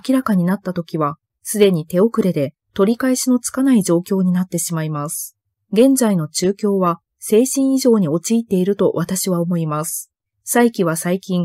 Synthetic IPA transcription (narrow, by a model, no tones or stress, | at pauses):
akʲiɾakaɲ̟inat̪ːat̪o̞kʲiβa | sɨd̪e̞ɲ̟it̪e̞o̞kɯ̟ɾe̞d̪e̞ | t̪o̞ɾʲikaeɕino̞t͡sɨ̥kanaid͡ʑo̞ːkʲo̞ːɲ̟inat̪ːe̞ɕimaimasɨ̥ | ɡẽ̞nd͡zaino̞t͡ɕɨːkʲo̞ːβa | se̞ːɕĩɰ̃iʑo̞ːɲ̟io̞t͡ɕiːt̪ːe̞iɾɯ̟t̪o̞βat̪aɕiβaomo̞imasɨ̥ | saikʲiβasaikʲĩŋ